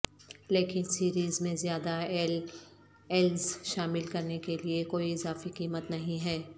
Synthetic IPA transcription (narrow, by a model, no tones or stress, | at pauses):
leːkɪnsiːɾiːzmẽzjaːd̪a | ɛlzʃaːmɪlkɐɾnekeliekoːiɪzaːfiqiːmət̪nɐɦĩɦɛː